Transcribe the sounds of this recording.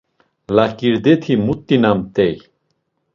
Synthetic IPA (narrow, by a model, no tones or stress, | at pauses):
lakiɾd̪et̪ʰimut̪ːinamt̪ɛj